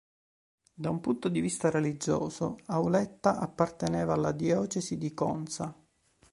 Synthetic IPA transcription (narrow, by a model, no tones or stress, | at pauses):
d̪aumpunt̪od̪ivist̪arelid͡ʒo̰ːsoaulɛt̪ːaʔapːart̪eneːvaːlːad̪jɔːt͡ʃesid̪ikɔ̰nsa